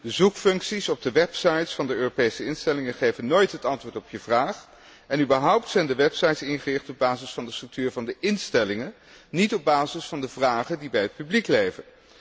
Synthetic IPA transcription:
dəzukfɵŋksisɔb̚dəʋɛpsɑjtsfɑndəøːropejsəɪnstɛlɪŋənχejvənːoːjtɦətɑntʋʊːɹtɔpʰjəvraːχ | ɛnybəɹɦʌwptsɛjndəʋɛpsɑjtsɪnχərɪχtɔb̚baːzɪsfɑndəstr̥ək̚tyːɹvɑndəʔɪnstɛlɪŋən | nitɔb̚baːzɪsfɑndəvraːχədibɛjɦət̚pybliklejvən

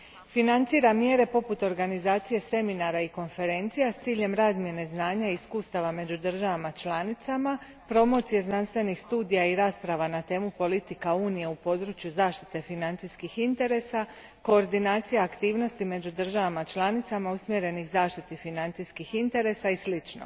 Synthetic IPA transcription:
finant̪siːɾamje̞ɾe̞po̞put̪o̞ɾɡanizaːt̪sije̞se̞minaɾaiko̞nfe̞ɾe̞nt̪sijast̪siːʎe̞mɾaːzmje̞ne̞znaːɲaiiskuːst̪aʋame̞d͡ʑud̪r̩ʒaʋamat͡ʃlanit̪sama | pɾo̞mo̞t̪sije̞znanst̪ʋe̞nixst̪uːd̪ijaiɾaːspɾaʋanat̪e̞ːmupo̞lit̪ikauːnije̞upo̞d̪ɾuːt͡ʃjuzaːʃt̪i̥t̪e̞finant̪siskixint̪e̞ɾe̞sa | ko̞ːɾd̪inaːt̪sijaːkt̪iːʋno̞st̪ime̞d͡ʑud̪ɨr̩ʒaʋamat͡ʃlˠanit̪samausmje̞ɾe̞nixzaːʃt̪it̪ifinant̪siskixint̪e̞ɾe̞saislit͡ʃno̰

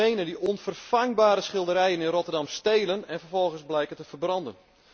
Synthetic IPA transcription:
ejnəndiʔɔnfərfaŋbaːɾəsχɪlˠdəɾɛjənɪnrotərdɑmstejlənɛnfərfɔlˠɣənszblɛjkəntəvərbrɑndən

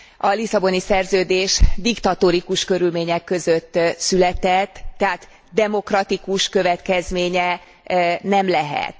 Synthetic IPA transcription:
ʔɒlisɒbo̞nisɛrzøːd̪eːʃd̪ikt̪ɒt̪oɾikuʃkø̞ɾylmeːɲɛkːø̞zøt̪ːsylɛt̪ɛt̪ːɛɦaːt̪ | d̪ɛmo̞krɒt̪ikuʃkø̞vɛt̪kɛzmeːɲɛ | nɛmlɛɦɛ̰t̪

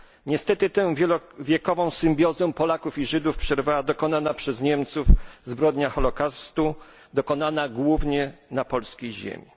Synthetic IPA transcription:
ɲɛst̪ɛt̪ɘt̪ɛ̃vʲjɛkɔvɔ̃w̃sɘmbʲjɔzɛ̃pɔlakufiʐɘd̪ufpʂɛɾvawad̪ɔkɔnanapʂɛzɲɛmt̪sufzbɾɔd̪ɲaxɔlɔkast̪u | d̪ɔkɔnanaɡwuvɲɛnapɔlskʲejʑḛmʲi

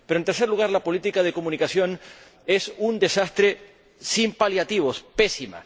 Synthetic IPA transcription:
peɾont̪eɾse̞ɾluɣaɾlapo̞lit̪ikað̞e̞ko̞mũnikasjo̞n | e̞sund̪e̞sast̪ɾe̞ | simpaljat̪iβo̞spesima̰

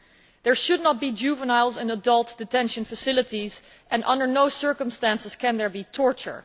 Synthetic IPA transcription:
ðəɹʃʊdⁿnət̚b̥id͡ʒʉvənaɪlˠzɨ̃nədʌlˠtd̥ɨtʰɛ̃nʃə̃nfəsɪlˠətiz | ʔɛ̃nʔʌ̰̃ndə˞noʊsɜ˞kə̃mstæ̃nsɨz̥kɨ̃nðəɹbitʰɔɹt͡ʃə̰˞

